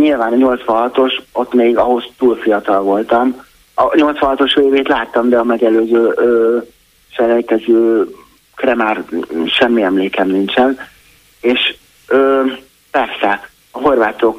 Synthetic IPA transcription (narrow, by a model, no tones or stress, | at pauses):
ɲilvaːnɲo̞lt̪sʋɒ̃ɦɒt̪o̞ʃo̞t̪ːmeːɡɒɦo̞st̪uːlfijɒt̪ɒlvo̞lt̪ɒm | ɒɲo̞lt̪sʋɒ̃nɦɒt̪o̞ʃveːveːt̪laːt̪ːɒmd̪ɛɒmɛɡɛløːzøːʔøː | ʃɛlɛlkɛzøː | krɛmaːrʃɛmːiɛmleːkɛmnint͡ʃɛn | eːʃ | øː | pɛrsɛ | ɒɦo̞rvaːt̪o̞k